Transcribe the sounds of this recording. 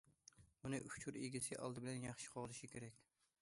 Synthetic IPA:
ʊnɪʔʊft͡ʃʰʊɾeɡʲɪsɪʔɒ̰lˠd̪ɪbɪlanjɑχʃɪ̥qʰɒzɪʃɪkʲʰeɾakʲ

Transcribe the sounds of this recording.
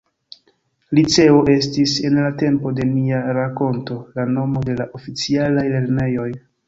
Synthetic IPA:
lit͡se̞o̞ʔe̞s̬tise̞nlate̞mpo̞de̞niaɾako̞nto̞lano̞mo̞de̞laʔo̞fit͡sialajle̞ɾne̞jo̞j

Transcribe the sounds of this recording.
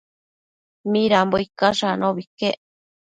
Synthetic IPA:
mĩɾamboikaʂanõβike

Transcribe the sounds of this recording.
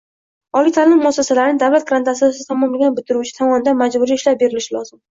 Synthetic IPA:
ɒlit̪ʰalɪmːʊasasalaɾɪnɪd̪awlat̪̚ɡɾant̪ʰasɪsɪt̪ʰɒmɒmlaɡʲanbɪt̪ʰɪɾut͡ʃʰɪ̥t̪ʰɒmɒnɪd̪anmad͡ʒbʊɾiɪʃlap̚be̞ɾɪlɪʃɪlɒzɪm

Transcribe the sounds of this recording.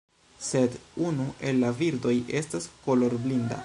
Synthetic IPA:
se̞dunuʔe̞lːaviɾdo̞je̞stasko̞lo̞ɾblinda̰

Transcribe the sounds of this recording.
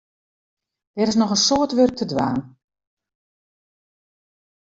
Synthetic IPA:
d̥ɛɾɪs̬nɔxənsoətʋørk̚tʰədʋa̰ːn

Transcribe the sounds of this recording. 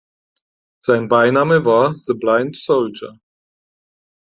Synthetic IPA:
z̥aɪnbaɪnaːməvaːɐðəblaɪntsoʊld͡ʒɐ̰

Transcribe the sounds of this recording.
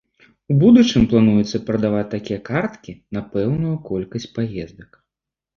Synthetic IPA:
ubud̪ut͡ʂɨmplˠanujut̪sːɐpɾɐd̪avat͡sʲt̪ːakʲijɐkart̪kʲinapɛwnujukɔlʲkɐsʲt͡sʲpajɛzd̪ɐk

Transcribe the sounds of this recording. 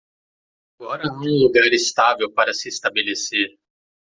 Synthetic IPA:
aɡɔɾɐɛ̃luɡaɾɪst̪avewpaɾɐsɪst̪abeleseɾ

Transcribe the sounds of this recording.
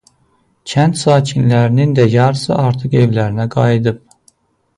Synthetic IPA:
cʰænt̪sɑːcʰinlæɾinind̪æjɑɾɯsɯʔɑɾt̪ʰɯqe̞vlæɾinæɡɑjid̪ɯp̚

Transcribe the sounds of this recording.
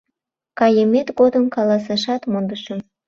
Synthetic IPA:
kɑjəmet̪ɡod̪əmkɑlɑsɑʃɑt̪mond̪əʃə̆

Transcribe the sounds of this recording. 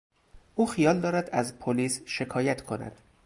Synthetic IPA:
ʔuːxijɒːld̪ɒːɾæd̪æzpʰoliːsʃe̞kʰɒːjæt̪kʰo̞næ̰d̪̥

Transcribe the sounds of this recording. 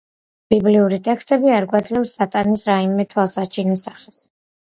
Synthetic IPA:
b̥ibliuɾit̪ʼɛkst̪ʼɛbiaɾɡwad̪zlɛpsːat̪ʼanisɾaimɛt̪ʰwalˠsat͡ʃʰinɔsaχɛs

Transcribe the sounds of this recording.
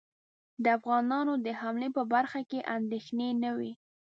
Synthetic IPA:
d̪əafɣɑnɑnod̪əhamlepəbaɾxakeʔand̪exnenəwi

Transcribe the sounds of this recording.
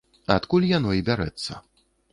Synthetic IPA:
at̪kulʲjanɔibʲaɾɛ̰t̪sːɐ̰

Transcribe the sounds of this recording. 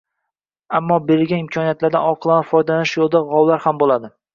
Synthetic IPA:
amːɒbeɾɪlɡʲanɪmkʰɒnijat̪laɾd̪a̰nɒqʰɨlˠanafɒjd̪alanɪʃjolˠd̪aʁɒwlaɾhambolˠad̪ɪ

